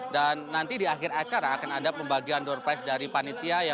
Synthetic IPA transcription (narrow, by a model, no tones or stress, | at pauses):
danːant̪idiaxɪɾat͡ʃaɾaːkanadapəmbaɡiandɔrpasdaɾipanit̪iaja